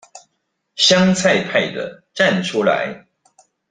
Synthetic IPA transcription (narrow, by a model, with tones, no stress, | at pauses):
ɕjɑ˥ŋt͡sʰa˥˧ɪpʰa˥˩ɪd̪ə̰˩ʈ͡ʂa˥˨˩nʈ͡ʂʰu˥la̰˧˦ɪ